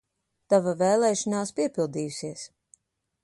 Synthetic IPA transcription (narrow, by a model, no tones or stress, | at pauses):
t̪avavɛːlˠɛːʃɑnaːspiɛpilˠd̪iːjusiɛs